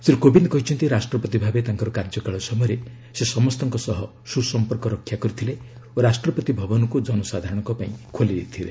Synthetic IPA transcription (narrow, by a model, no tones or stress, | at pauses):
seɾukobind̪kɔɦit͡ʃʰɔnt̪iɾasʈɾɔpɔt̪ibʱabet̪aŋkɔɾɔkaɾd͡ʒɔkaɭɔsɔmɔɾe | sesɔmɔst̪ɔŋkɔsɔɦɔ | susɔmpɔɾkɔɾɔkʰːjakɔɾit̪ʰile | oɾasʈɾɔpɔt̪ibʱɔbɔnɔkud͡ʒɔnɔsad̪ʱaɾɔɽ̃ɔŋkɔpaĩkʰoliɾeit̪ʰilḛ